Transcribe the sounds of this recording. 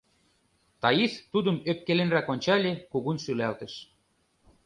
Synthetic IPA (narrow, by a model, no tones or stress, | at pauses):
t̪ɑiθt̪ud̪ə̆møp̚kelenrækonʲt͡ɕɑlʲekuɣunʃylælt̪ə̆ʃ